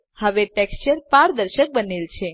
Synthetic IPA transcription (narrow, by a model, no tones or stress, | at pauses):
həʋeʈekst͡ʃəɾpaɾd̪əɾʃək̚bənelt͡ʃʰe